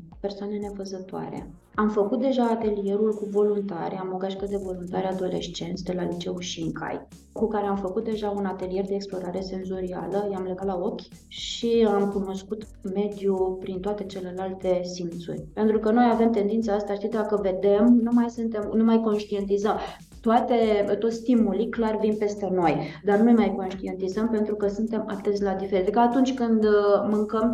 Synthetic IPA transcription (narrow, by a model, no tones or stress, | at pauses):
pe̞rsoane̞ne̞fəzət̪oa̰ɾḛ | amfəkut̪̚d̪e̞ʒaːt̪e̞lije̞ɾulkuvo̞lunt̪a̰ɾʲamo̞ɡaʃkəd̪e̞vo̞lunt̪aɾʲad̪o̞le̞̰ʃt͡ʃe̞nt̪sʲd̪e̞lalit͡ʃe̞uʃiiŋkʰa̰j | kukaɾe̞amfəkut̪̚d̪e̞ʒaunat̪e̞lije̞rd̪e̞ːksplo̞ɾaɾe̞se̞nzo̞ɾia̰ləjamleɡat̪lao̞kʲʃiamkuno̞skut̪ | me̞d̪jupɾint̪oat̪e̞t͡ʃe̞le̞lalt̪e̞sint̪sṵrʲpe̞nt̪ɾukəno̞jave̞mt̪e̞nd̪int̪saast̪aʃt̪id̪akəve̞d̪e̞mnumajsɨnt̪e̞mnumajko̞nʃt̪ie̞nt̪izəm | t̪oat̪e̞t̪o̞t̪sʲst̪imuliklarvinpe̞st̪e̞no̞jd̪arnujmajko̞nʃt̪ie̞nt̪izəmpe̞nt̪ɾukəsunt̪e̞mat̪es̬ʲlad̪ifeɾit̪ɾkəːt̪unt͡ʃʲkɨnd̪mɨŋkəm